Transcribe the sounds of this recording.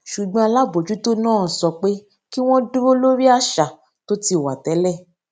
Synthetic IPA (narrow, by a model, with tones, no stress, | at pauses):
ʃu˨ɡ͡bɔ̃˧a˧la˦bo˨d͡ʒu˨˦to˦nãː˦˨sɔ˧k͡pe˦ | ki˦w̃ɔ̃˦du˦o˦lo˦ɾi˦a˧ʃa˨ | to˦ti˦˨wa˨tɛ˨˦lɛ˦˨